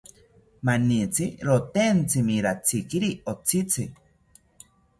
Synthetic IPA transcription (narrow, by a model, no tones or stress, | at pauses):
manit͡siɾot̪ent͡simiɾat͡sikiɾiot͡sit͡si